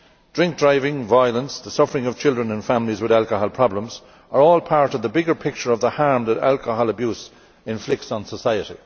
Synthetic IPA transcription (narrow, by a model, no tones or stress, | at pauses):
d̥ɹɪ̃ŋk̚d̥ɹaɪvɪ̃ŋvaɪələ̃nsðəsʌfəɹɪ̃ŋʌv̥t͡ʃʰɪlˠdɹə̃nə̃nfãmlizwɪðalˠkəɦɔlˠpʰɹ̥ɑblə̃mz | ə˞ɔːlˠpʰaɹɾʌvðəbɪɡə˞pʰɪk̚t͡ʃə˞ʌvðəhaɹmðəɾa̰lˠkəɦɔləbjuːs | ɪ̃ɱflɪk̚tsn̩səsaɪəɾḭ